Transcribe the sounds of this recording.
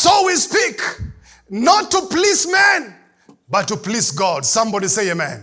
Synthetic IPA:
sowispik | nɔtːuplismɛ̃n | batːuplizɡɔdsʌ̃mbɔɾiseɪemɛ̃n

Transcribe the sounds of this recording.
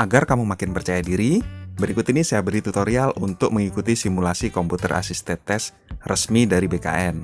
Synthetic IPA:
ʔaɡarkamumakɪnpərt͡ʃajadiɾibəɾikut̪inisajabəɾit̪ut̪oɾialunt̪ʊk̚məŋikut̪isimulasikomput̪ə̰rʔa̰sist̪ɛt̪ɛs | rəsmidaɾibeka̰ʔɛn

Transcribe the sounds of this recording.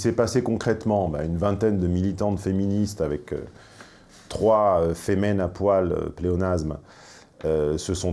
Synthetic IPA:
sɛpasekɔ̃kχɛt̪mɑ̃ba̰ynvɛ̃t̪ɛnd̪əmilit̪ɑ̃t̪feminist̪avɛkø̰ | t̪χwaøfemɛnapwalø̰pleɔnazm | øsəsɔ̃

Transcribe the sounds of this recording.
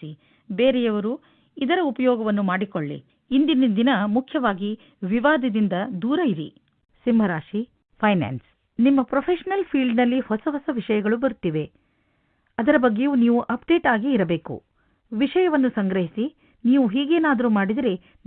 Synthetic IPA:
i | beːɾɛjɐʋɐɾu | id̪ɐɾɐupɐjɔːɡɐʋɐnːumaːɽikoɭːḭː | nd̪inind̪inɐmukʰjɐʋaːɡi | ʋiʋaːd̪ɐd̪ind̪ɐd̪uːɾɐiɾḭ | simɐɾaːʂi | pʰɐjna̰ːns | nimːɐpɾɐpʰeːʃɐnɐlpʰiːɭɖnɐlːihɔsɐɦɔsɐʋiʂɐjɐɡɐɭubɐɾut̪ːiːʋe̞ | ɐd̪ɐɾɐbɐɡːejuːniːʋuʔɐp̚ɖe̞ːʈaːɡiːɾɐbe̞ːkṵ | ʋiʂɐjɐʋɐnːusɐŋɡɾɐɦisi | niːʋuɦiːɡeːnaːd̪ɐɾumaːɽid̪ɐɾe

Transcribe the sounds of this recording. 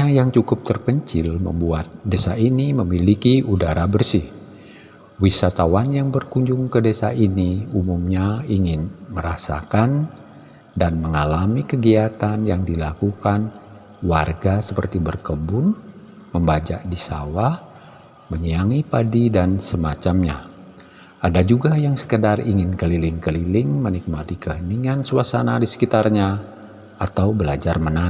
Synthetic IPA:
ajaŋt͡ʃukʊp̚t̪ərkəɲt͡ʃɪlmə̰mbuat̪̚desainiməmilikiudaɾabərsɪh | wisat̪awanjaŋbərkuɲd͡ʒʊŋkədesainiumumɲaiŋɪnməɾasa̰kan | danməŋalamikəɡiat̪anjaŋdilakukan | warɡasəpə̰rt̪ibərkəbʊn | məmbad͡ʒa̰ʔdisa̰wah | məɲəaŋipadidansəmat͡ʃamɲa̰ | ʔadad͡ʒuɡajaŋsə̥kədariŋɪnkəlilɪŋkəlilɪŋmənik̚mat̪ikəɦəniŋansuasanadisə̥kit̪arɲa | at̪awbəlad͡ʒarməna

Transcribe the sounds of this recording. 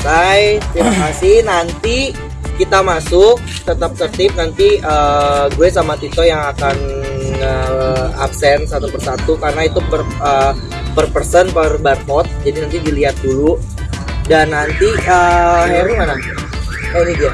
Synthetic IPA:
sajt̪imakasɪhnant̪i | kit̪amasʊk̚t̪ət̪ap̚t̪ərt̪ɪp̚nant̪iəɡuɛsamat̪it̪ojaŋakanəa̰psɛnsat̪upərsat̪ukarnait̪upərə | pərpərsənpərbar̚hɔt̪̚d͡ʒadinant̪idiliat̪̚dulu | danːant̪iəɦeɾumana | anidia

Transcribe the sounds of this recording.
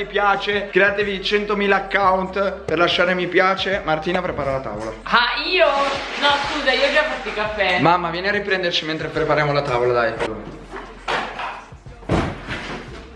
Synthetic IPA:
ipjaːt͡ʃeɡ̥ɾeat̪evid̪it͡ʃɛnt̪omiːlaːkːawnt̪perlaʃːaːɾemipjaːt͡ʃemart̪iːnapɾepaːɾalat̪a̰ːvolaaiːonɔskuːzaiːod͡ʒafːat̪ːikafɛmamːavjɛːnearːipɾɛnd̪ert͡ʃiment̪ɾepɾepaɾjaːmolat̪aːvolad̪ajkalo

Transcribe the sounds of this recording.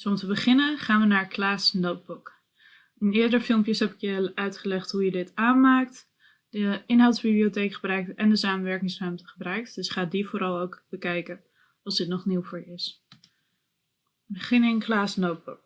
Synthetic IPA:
sɔmtəbəχɪnəχaːnʋənaːɹklaːsnowt̚buk | ənɪːɹdəɹfɪlˠmpjəsɦɛpɪkjəœɥtχəlɛχtɦujədɪtaːnmaːk̚t | dəɪnɦawtsb̥ibliotejkχəbrœɥk̚tɛndəsaːmənʋɛɹkɪŋsrɛmtəχəbrœɥk̚td̥ɵsχaːdivʊːɾɑlˠowkbəkɛjkə | ɑlˠzdɪtnɔχniwvʊːɹjəɪs | bəχɪnɪnklaːsnowt̚buk̚

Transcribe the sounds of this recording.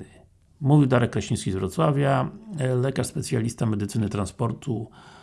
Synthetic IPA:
muvʲid̪aɾɛkːɾaɕĩj̃skʲizvɾɔt̪swavʲjalɛkaʂspɛt̪sʲjalʲist̪amɛd̪ɘt̪sɘnɘt̪ɾanspɔɾt̪ʰu

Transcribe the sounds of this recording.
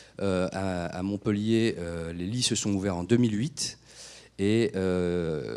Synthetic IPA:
øaa̰mɔ̃pəljeølelisəsɔ̃uvɛʁɑ̃d̪əmilɥit̪ | eø

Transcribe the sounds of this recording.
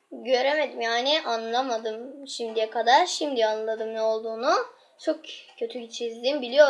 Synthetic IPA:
ɟø̞ɾe̞me̞d̪imjaːnɪʔanlˠamad̪ɯmʃimd̪ijɛkʰad̪aɾʃimd̪ijanllˠad̪ɯmnɛo̞lˠd̪uːnu | t͡ʃʰo̞kcʰø̞t̪ʰyit͡ʃʰizd̪imbilʲijo̞

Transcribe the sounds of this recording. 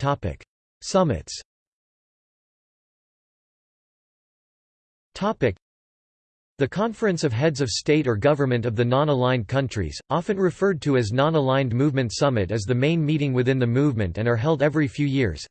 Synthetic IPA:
tʰɑpɪ̰k | sʌmɨ̰ts | tʰɑpɨk̚ | ðɨkʰɑ̃ɱfɨ̃nsʌv̥ɦɛdzʌv̥steɪɾə˞ɡʌvə˞mɨ̃ntʌvðɨnɑ̃nəlãɪ̃nkʰʌ̃nt͡ʃɹ̥ḭz̥ʔɑfɨ̃nɹɨfɜ˞d̚tʰɨɨznɑ̃nəlãɪ̃nmʉvmɨ̃ntsʌmɨɾɨzðɨmẽɪ̃nmiɾɪ̃ŋwɨθɪ̃nðɨmuvmɨ̰̃ntɨ̃nə˞ɦɛlˠdɛvɹifjʉjɪɹz̥

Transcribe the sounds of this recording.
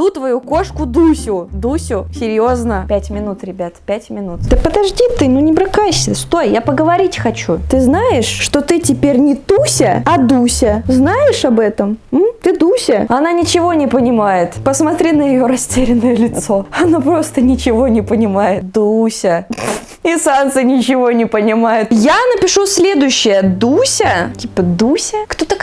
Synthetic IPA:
d̪ut̪vɐjuko̞ʂkʊd̪usʲʊd̪usʲʊsʲɪɾʲjo̞znəpʲætʲmʲɪnut̪ɾʲɪbʲat̪pʲætʲmʲɪnut̪d̪əpəd̪ɐʐdʲit̪ɨnunʲɪbɾɨkajsʲəst̪ojjapəɡəvɐɾʲitʲxɐt͡ɕut̪ɨznajɪʂːt̪o̞t̪ɨtʲɪpʲeɾʲnʲɪt̪usʲəɐd̪usʲəznajɪʂɐbɛt̪əmm̩t̪ɨd̪usʲəɐnanʲɪt͡ɕɪvo̞nʲɪpənʲɪmajɪt̪pəsmɐt̪ɾʲinəjɪjoɾɐsʲtʲeɾʲɪnːəjəlʲɪt̪so̞ɐnopɾo̞st̪ənʲɪt͡ɕɪvo̞nʲɪpənʲɪmajɪt̪̚d̪usʲə | ɪsant̪sɨnʲɪt͡ɕɪvo̞nʲɪpənʲɪmajɪt̪janəpʲɪʂusʲlʲe̞d̪ʊjɕːɪjəd̪usʲətʲipəd̪usʲəkt̪ot̪ə

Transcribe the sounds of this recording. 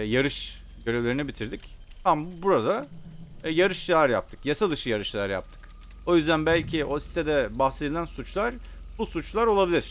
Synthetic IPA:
jaɾɯʃ | ɟø̞ɾe̞vlʲe̞ɾinibit̪ʰiɾd̪ic | t̪ʰambuɾad̪a | jaɾɯʃjaɾja̰p̚t̪ʰɯ̥kjasad̪ɯʃɯjaɾɯʃjaaɾja̰p̚t̪ʰɯ̥k | o̞jyzd̪ænbælʲcʰiʔo̞si̥t̪ʰed̪ɛbaxse̞d̪ilʲænsut͡ʃlˠaɾ̥ | busut͡ʃlˠaɾo̞lˠabilʲiɾ̥

